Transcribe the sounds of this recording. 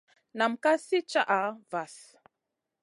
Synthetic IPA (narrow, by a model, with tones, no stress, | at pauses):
na˨m̩˨ka˦si˦t͡ʃa˦ʔa˨va˨s